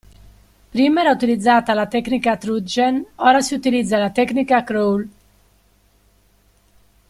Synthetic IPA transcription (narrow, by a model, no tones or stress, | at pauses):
pɾiːmɛɾaut̪ilid̪zːaːt̪alat̪ɛkːnikat̪ɾud͡ʒenɔːɾasiut̪ilid̪zːalat̪ɛknikakɾowl